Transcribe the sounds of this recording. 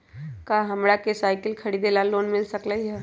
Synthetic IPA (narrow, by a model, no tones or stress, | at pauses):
kaːɦɐmɾakesaːɪkəlkʰɐɽid̪elaloːnmɪlsɐkləiɦɛː